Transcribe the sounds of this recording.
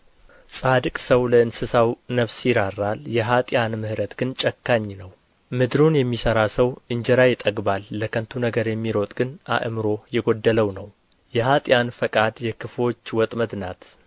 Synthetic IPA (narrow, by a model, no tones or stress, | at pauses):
sʼad̪ɨkʼsəwləɨnsɨsawnəβsjɪɾarːaljɛɦat̪ʼjanmɨhɾət̪ɡ̥ɨnt͡ʃʼəkːaɲːnəw | mɨd̪ɾunjɛmːisəɾasəwʔɨɲd͡ʒɛɾajɪt̪ʼəɡbalːəkʰənt̪ʰunəɡəɾjɛmːiɾo̞t̪ʼɡɨnʔa̰ʔɨmɨɾo̞jɛɡod̪ːələwnəw | jɛɦat̪ʼjanfəkʼad̪jɛkʰɨfo̞t͡ʃːwɔt̪ʼməd̪nat̪